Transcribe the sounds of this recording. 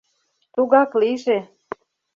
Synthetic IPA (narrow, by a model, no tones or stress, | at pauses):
t̪uɣɑkliʒe